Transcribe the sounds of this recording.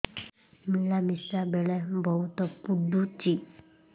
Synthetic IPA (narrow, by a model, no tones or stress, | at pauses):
miɭamisabeɭɛbʱɔwt̪əpud̪ʱut͡ɕi